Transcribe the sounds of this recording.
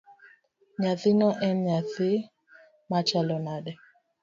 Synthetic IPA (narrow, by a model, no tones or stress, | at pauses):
ɲaθɪnɔʔɛnɲaθɪ | mat͡ʃalɔnaɗɛ